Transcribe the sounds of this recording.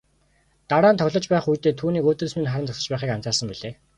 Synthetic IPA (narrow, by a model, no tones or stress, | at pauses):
t̪aɾaːnt̪ʰɔwʲɮə̆t͡ɕpæːχujt̪eːt̪ʰuːniːkɵt̪ɵ̆ɮsminχaɾə̆nt̪ʰɔsə̆t͡ɕpæːχiːkam̥t͡saːsə̆mpiɮeː